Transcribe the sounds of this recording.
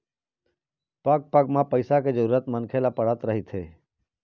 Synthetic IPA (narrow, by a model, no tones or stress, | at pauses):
pəɡ̚pəɡmãpəɪsaked͡ʒəɾuːɾət̪mənkʰelapəɽ̤ət̪ɾəɦit̪ʰɦeː